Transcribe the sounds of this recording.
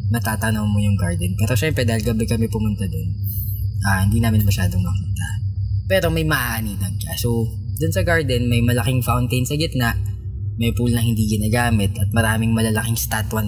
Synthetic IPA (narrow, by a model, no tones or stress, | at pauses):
nɐt̪aːt̪ɐno̞ŋmojʊŋɡaɹd̪ɛnpɛːɾo̞ʃɛmpɾɛd̪aːhɪlɡɐbɛkɐmɛpʊmʊnt̪ɐd̪o̞nʔahɪnd̪iːnaːmɪnmɐʃaːd̪oŋmɐkiːt̪ɐ̰pɛːɾo̞mɐjmɐʔaːʔnilɐŋkɐso | d̪ʊnsɐɡaɹd̪ɛnmɐjmɐlɐkɪŋfawnt̪ejnsɐɡɪt̪̚naʔ | mɐjpulnɐŋhɪnd̪iɡɪnaːɡaːmɪt̪ɐt̪̚mɐɾaːmɪŋmɐlɐlɐkɪŋst̪at̪wɐn